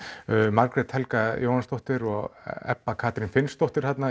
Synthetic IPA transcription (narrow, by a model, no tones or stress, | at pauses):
maɾkɾɛt̪hɛlkajowhanst̪owht̪ɪɾɔɣɛ̰pːakʰaːt̪ɾɪnfɪnst̪owht̪ɪɾ̥hat̪na